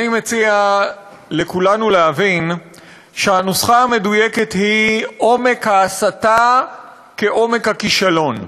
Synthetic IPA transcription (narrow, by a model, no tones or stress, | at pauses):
nimet͡sia | le̞kulanuleɦavin | ʃeanusχaame̞duje̞ke̞thiʔo̞me̞khaːsata | keʔo̞me̞khakiʃalo̞n